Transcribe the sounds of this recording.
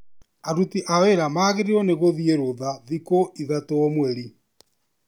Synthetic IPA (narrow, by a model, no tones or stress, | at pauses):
aɾutiʔaweɾamaːɣeɾiɔneɣoðieɾoðaðikoʔiðatoɔmwɛɾi